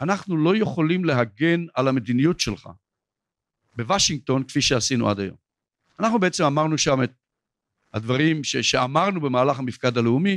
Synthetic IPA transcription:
anaχnulo̞je̞χo̞limle̞ɦaɡe̞nalame̞d̪inijutʃelχa̰ | bevaʃiŋɡ̚t̪o̞nkfiʃeasinuʔa̰d̪ajo̞̰m | anaχnubeet͡semamaʁnuʃamet̪̚ | had̪vaʁimʃeʃe̞amaʁnube̞maːlaχamifkad̪aleumi

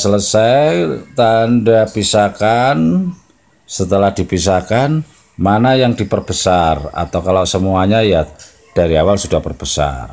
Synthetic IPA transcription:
sələsajt̪andapisakan | sət̪əlahd̥ipis̬akan | manajaŋd̥ipərb̥əsara̰t̪awkalasəmuaɲaja | d̥aɾiawalsudahpərb̥əsa̰r

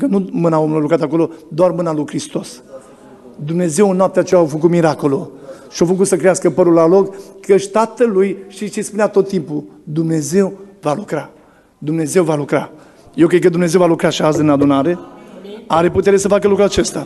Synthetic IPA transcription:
kənumɨnaomulujalukɾat̪ako̞lo̞d̪oarmɨnalujkɾist̪os | d̪umne̞ze̞wɨnːoap̚t̪eat͡ʃewaofəkut̪miɾakoloʃiofək̬ut̪səkɾeaskəpəɾulalo̞kkəʃt̪at̪əlujʃit͡ʃespuneat̪o̞t̪ːimpud̪umne̞ze̞wvalukɾa | d̪umne̞ze̞wvalukɾa | jeokek̬əd̪umne̞zewvalukɾaʃazɨnad̪unaɾe̞ | aɾe̞put̪e̞ɾasəfakəlukɾuat͡ʃe̞st̪a

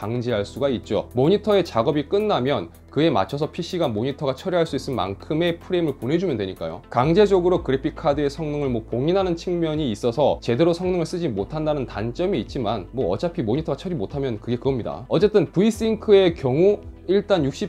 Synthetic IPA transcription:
kaŋd͡ʑeɦaɭs͈uɡait̚t͡ɕ͈o̰moɲitʰʌe̞t͡ɕaɡʌbik͈ɯnːamjʌn | kɯe̞ma̰t͡ɕʰʌsʰʌpʰiɕ͈iɡamoɲitʰʌɡat͡ɕʰʌɾjiɦaɭs͈uis͈ɯnma̰nkʰɯme̞pʰɯɾe̞mɯɭponɦe̞d͡ʑumjʌndwe̞̰ɲik͈a̰jo̰kaŋd͡ʑe̞d͡ʑʌɡɯɾokɯɾepʰikʰadɯe̞sʰʌŋnɯŋɯɭmwʌpoŋinɦanɯnt͡ɕʰiŋmjʌɲiːs͈ʌsʰʌt͡ɕe̞de̞ɾosʰʌŋnɯŋɯɭs͈ɯd͡ʑimotʰandanɯnta̰nt͡ɕ͈ʌmiːt̚t͡ɕ͈imanmʌʌ̰t͡ɕʰapʰimoɲitʰʌɡat͡ɕʰʌɾimotʰamjʌnkɯɡe̞kɯɡʌmɲida̰ʌt͡ɕ͈e̞t͈ɯnpuis͈ɯiŋkʰɯe̞kjʌŋuiɭt͈anjuk̚ɕ͈i

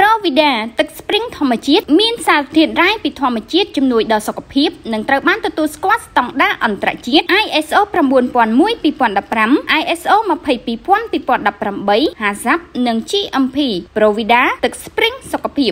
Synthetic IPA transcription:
proːʋiɗaːt̪ɨk̚spriŋt̪ʰŏəmːɛ̆ət͡ɕiət̪̚miənsaːlt̪ʰiən̚raːjpiːt̪ʰŏəmːɛ̆ət͡ɕiət̪̚t͡ɕumnuəjɗɑːsokʰːapʰiəp̚nɨŋt̪rəwɓaːnt̪ɔt̪uəlskoəlst̪ɑŋɗaːʔɑnt̪ra̰ʔt͡ɕiət̪̚ʔajʔɛsʔoːpramɓuənpŏənmuəjpiːpoənɗɑpːramʔajʔɛsʔoːməpʰəjpiːpŏənpiːpŏənɗɑpːramɓəjhaːsap̚nɨŋt͡ɕiːʔəmpʰiːproːʋiɗaːt̪ɨk̚spriŋsokʰːapʰiəp̚

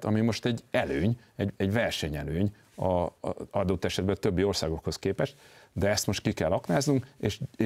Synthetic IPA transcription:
t̪ɒmimo̞ʃt̪ɛɟːɛløːɲ | ɛɟɛɟvɛrʃɛɲɛløːɲ | ɒɒd̪o̞t̪ːɛʃɛd̪̚bɛt̪ø̞bːio̞rsaːɡo̞kho̞skeːpɛʃt̪d̪ɛɛst̪mo̞ʃt̪̚kikɛlːɒknaːznuŋkeːʃ

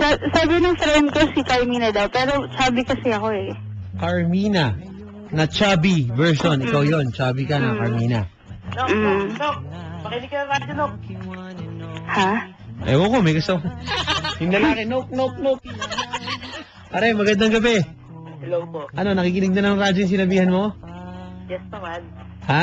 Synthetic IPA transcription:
sasaːbɪnɐŋfɾɛnk̪osikɐɾminɐd̪ɐwpɛːɾo̞t͡ʃaːbikɐsɛɐko̞ɛkɐɹmiːnɐ | nɐt͡ʃaːbivɛɹʃonɪkawjont͡ʃaːbikɐnɐkɐɹmiːnɐ̰ | nonok̚mɐkɪnɪɡ̚ɐŋɾaːd͡ʒono | ha | ʔɛ̰wokomɐjkɐso | hɪnd̪ɐlaːkɛnok̚nok̚nok̚ | pɐɾɛmɐɡɐnd̪aŋɡɐbɛ | hɛlowpoʔʔɐno̞nɐkikɪnɪɡ̚nɐnɐŋɾaːd͡ʒojɪŋs̬ɪnɐbiːhɐnmo̞ | d͡ʒɛst̪ɐman | ha

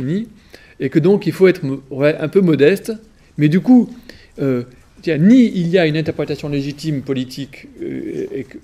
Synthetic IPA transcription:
ni | ekəd̪ɔ̃kilfoɛt̪χvaʔɛ̃pømɔd̪ɛst̪ | mɛd̪yku | ø | d̪iʁniiljaynɛ̃t̪ɛʁpχet̪asjɔ̃leʒit̪impɔlit̪ʰikø̰ek

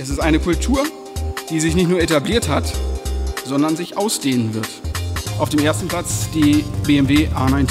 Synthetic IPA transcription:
ʔɛsɪstʔaɪnəkʰʊltʰuːɐ | d̥iːzɪçnɪçtnuːɐetabliːɐthat | z̥ɔndɐnzɪçʔaʊsd̥eːnənvɪɐtʔaʊfd̥eːmʔeːɐstn̩pʰl̥at͡sd̥iːbeɛmveːʔanaɪn

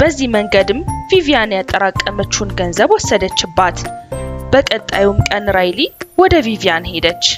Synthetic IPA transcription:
b̥əzːihməŋɡəd̪ɨmvivjanjat̪ʼːəɾakʼːəmət͡ʃːunɡənzəβwɔsːəd̪ət͡ʃːɪbːat̪b̥əkʼət̪ʼːajumkʼənɾajliwɔd̪əvivjanhe̞d̪ət͡ʃː

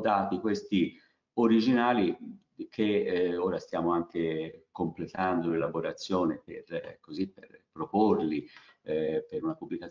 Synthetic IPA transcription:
d̪aːt̪ikwest̪i | oɾid͡ʒinaːli | kʰeoːɾast̪jaːmoaŋk̟ekomplet̪and̪olelaboɾat̪sːjoːnepḛrkozipːḛrpɾoporli | peɾunapubːlika

